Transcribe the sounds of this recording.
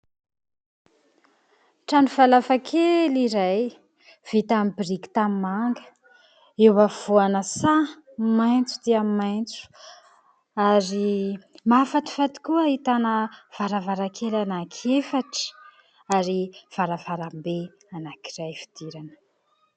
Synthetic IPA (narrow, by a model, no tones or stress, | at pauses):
ʈ͡ʂanivalafakʰeliɾaj | v̥it̪amibiɾiki̥t̪amimaŋɡə̥ | ewav̥oanəsa | majnt͡sud̪iammajnt͡su̥ | aɾimafat̪i̥fat̪i̥kuəit̪anəv̥aɾavaɾakʰelanakʰefaʈ͡ʂə̥ | aɾiv̥aɾavaɾambe | anakirajfi̥d̪̥iɾanə̥